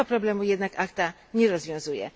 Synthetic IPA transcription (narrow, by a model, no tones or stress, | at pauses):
ɔpɾɔblɛmujɛd̪nakakt̪a | ɲɛɾɔzvʲjɔ̃w̃zujɛ̰